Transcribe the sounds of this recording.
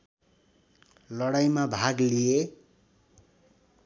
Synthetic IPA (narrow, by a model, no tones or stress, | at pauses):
lʌɽajmabʱaɡlije